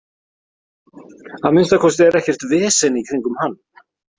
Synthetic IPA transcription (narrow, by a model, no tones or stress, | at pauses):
aðmɪnst̪akʰɔst̪ɛɾɛhcɛr̥t̪vɛːsɛnikʰɾiŋkʏmhanː